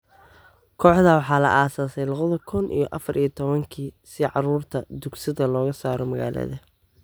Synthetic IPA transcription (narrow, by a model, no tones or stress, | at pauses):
kʰɔːħd̪ɐwɑħɑːlɐ̰ʔaːsaːsɛjlɑɣɐðɐkʰʊnʔḭjɔʔɑfɐɾijɔt̪ʰɔβɐŋkʰiːsɪʕɑɾuːrt̪ʰɐd̪ʊɡsɪðɐlɔːɣɐsaːɾɔmɐɣa̰ːlɐ̰ðɐ